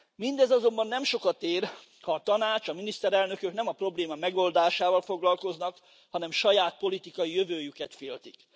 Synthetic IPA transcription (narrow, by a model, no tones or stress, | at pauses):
mind̪ɛzɒzo̞mbɒnːɛmʃo̞kɒt̪eːr | hɒːt̪ɒnaːt͡ʃɒminist̪ɛɾɛlnø̞køkn̪ɛmɒpro̞bleːmɒmɛɡo̞ld̪aːʃaːvɒlfo̞ɡlɒlko̞znɒk | hɒnɛmʃɒjaːt̪̚po̞lit̪ikɒjijøvøːjykɛt̪feːlt̪ik